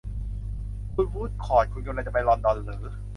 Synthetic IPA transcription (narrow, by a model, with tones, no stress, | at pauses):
kʰu˧nwuː˥˩t̪̚kʰɔː˨˩t̪̚kʰu˧nkʰla˧˩t͡ɕa˨˩ma˧jlɔː˧ndɔ˧nlɤː˩˦